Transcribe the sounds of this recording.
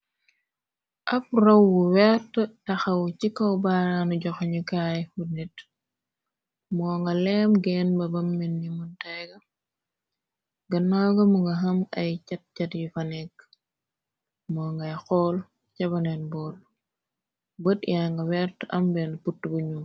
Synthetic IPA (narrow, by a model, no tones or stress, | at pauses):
ʔɐf̚rɐwːuwɛɾtətɐxɐwt͡ʃikːɐwbaɾanuɟɔxɲukaːjfunit | mɔːŋɡɐlɛmɡɛːnbɐbɐmːinːimuntajɡɐ | ɡɐnːawɡɐmuŋɡɐɦɐmɐjt͡ʃɐt̚cɐtjifɐnɛk | mɔːŋɡɐjxɔːl | cɐbɐnɛnbɔːl | bətjaŋɡɐwɛɾtʔɐmbɛnputːbuɲu